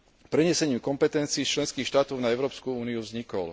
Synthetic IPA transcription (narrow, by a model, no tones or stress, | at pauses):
pɾɛɲɛsɛɲiːmkɔmpɛt̪ɛnt͡siːt͡ʃlɛnskiːxʃt̪aːt̪ɔʊnaɛʊɾɔːpskuuːniuvzɲikɔ̰l